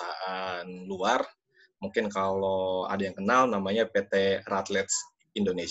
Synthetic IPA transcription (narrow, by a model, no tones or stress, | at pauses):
aʔanluar | muŋkɪnkaloa̰dajaŋkənalnamaɲapet̪ɛrat̪lɛt̪s | indones